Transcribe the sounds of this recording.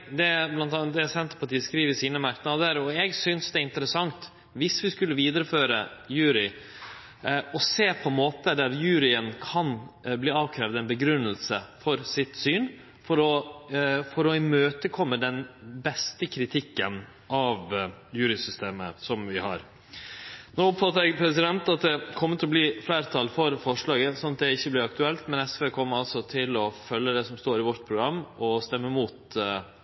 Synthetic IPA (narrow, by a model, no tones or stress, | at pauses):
d̪ɛblɑnt̪ɑd̪ɛsɛnt̪əɾpɑʈiːəskɾiːʋəsiːnəmæɾk̪nɑʋd̪əɾɔɛɡsʏnsd̪ɛɪnt̪əɾəsɑŋt̪ | ʋɪsʋɪskʉlːəʋiːd̪əɾəføːɾəjʉːɾɪ | ɔseːpʰɔmoːt̪əd̪æɾjʉːɾɪənkʰɑnbliːɑːʋkʰɾɛːʋd̪ɛnbəɡɾʉnːəlsəfɔɾsɪt̪syːn | fɔɾɔ | fɔɾɔɪmøːt̪əkʰɔmːəd̪ɛnbɛst̪əkʰɾɪt̪ʰɪkːən | ʔɑʋjʉːɾɪsʏst̪eːməsɔmʋɪhɑ̰ɾ | noːɔpfɑt̪əɾɛɡpʰɾɛsɪd̪ɛnt̪ɑt̪̚d̪ɛkʰɔmːət̪ɪlɔbliflæːɾt̪ʰɑːlfɔɾfɔʂɭɑːɡəsɔnɑt̪̚d̪ɛɪçːəblɪɾɑk̚t̪ʉɛlt̪mɛnɛsfeːkʰɔmːəɾɑlsɔt̪ʰɪlɔfœlːəd̪ɛsɔmst̪oːɾɪʋɔɾʈ̪pʰɾʊɡɾɑmːɔst̪ɛmːəmuːt̪